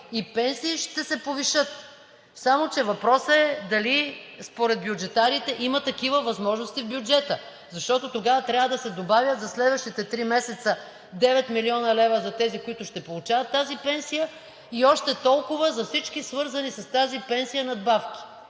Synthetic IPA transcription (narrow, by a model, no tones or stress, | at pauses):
ipɛnsiːʃt̪ɛsɛpoviʃɤt̪ | samot͡ʃɛvɐpɾɔsəɛd̪ɐlispoɾɛd̪̚bjud͡ʒɛt̪aɾit̪ɛʔimət̪ɐkivəvɐzmɔʒnost̪ivbjʊd͡ʒɛt̪ə | zɐʃt̪ɔt̪ot̪oɡavət̪ɾʲavəd̪ɐsɛd̪obavʲjət̪zɐslɛd̪vəʃt̪it̪ɛt̪ɾimɛsɛt̪sə | d̪ɛvɛt̪miliɔnɐlɛvəzɐt̪ɛzikoit̪ʊʃt̪ɛpolˠut͡ʃavɐt̪ːazipɛnsijə | iɔʃt̪ɛt̪ɔlˠkʊvəzɐfsit͡ʃkisvɤɾzɐnisɐst̪azipɛnsijənɐd̪bafk̟i̥